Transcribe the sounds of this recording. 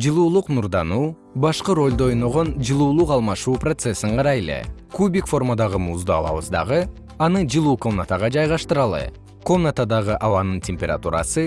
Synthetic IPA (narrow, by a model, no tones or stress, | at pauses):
d͡ʒɨlˠuːlˠuqnuɾd̪ɑnuː | bɑʃqɯɾo̞lʲd̪oo̞jno̞ʁo̞nd͡ʒɯlˠuːlˠuqɑlˠmɑʃuːprot̪se̞siɴqʰɑɾɑjele̞̰kubʲikfo̞rmad̪ɑʁɯmuːzd̪ɯɑ̰lˠɑ̰βɯ̰zd̪ɑ̰ʁɯ | ɑnɯd͡ʒɯlˠuːkomnat̪aʁɑd͡ʒɑjʁɑʃt̪ɯɾɑlˠɯ̰ | ko̞mnat̪ad̪ɑʁɯʔɑwɑnɯntʲemʲpʲeɾa̰t̪ṵɾɑ̰sɯ